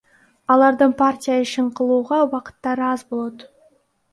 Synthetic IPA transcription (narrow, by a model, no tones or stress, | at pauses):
ɑlˠɑɾd̪əɴpʰartʲijaɪʃɪɴqʰəlˠuʁɑwɑqə̥t̪ːɑɾəɑzbo̞lˠot̪